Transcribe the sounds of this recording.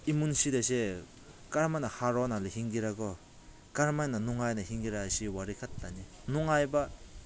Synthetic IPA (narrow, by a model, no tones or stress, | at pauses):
imunsid̪ese | kaɾmajnahaɾɔnalehiŋɡiɾaɡɔ | kaɾmajnanuŋajnahiŋɡiɾasiwaɾikʰatːani | nuŋajba